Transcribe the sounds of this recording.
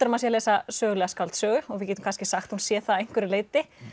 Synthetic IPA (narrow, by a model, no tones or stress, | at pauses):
t̪ʏɾmasjalɛːsasœːɣʏlɛɣaskalt̪sœːɣʏɔɣvɪðcɛːt̪ʏm̥kʰanscɪsaxt̪hunsjɛθaejŋ̥kvɪɾɪleːjt̪ɪ